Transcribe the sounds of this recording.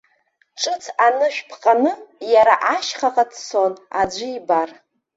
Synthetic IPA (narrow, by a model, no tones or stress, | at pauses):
ʈ͡ʂʼɨt͡sʰanɨʃᶣpʰqʼanɨjaɾaʔaʃχaqʼatʰsonad͡ʒʷɪibar